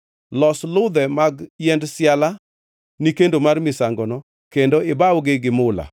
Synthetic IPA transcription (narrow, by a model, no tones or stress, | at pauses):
lɔslʊd̪ɛmaɡjɛndsɪala | nikendomarmɪsaŋɡɔnɔ | kendoɪbawɡɪɡɪmʊla̰